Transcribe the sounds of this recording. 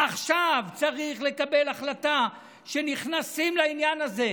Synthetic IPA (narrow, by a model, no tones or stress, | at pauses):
aχʃavt͡saʁiχle̞kabe̞laχlata | ʃeniχnasimlainjanaze̞